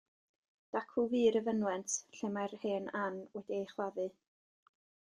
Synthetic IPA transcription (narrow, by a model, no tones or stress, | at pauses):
d̥akʰʊviːɾəvənwɛntɬɛmarheːnanwɛdiejχwˠaðɨ